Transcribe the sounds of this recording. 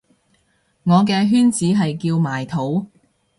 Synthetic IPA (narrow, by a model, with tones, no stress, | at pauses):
ŋɔː˨˧k̬ɛː˧ɦyː˥nt͡siː˨˥ɦɐ˨jkiː˧wmaː˨˩jt̪ʰo˨˥w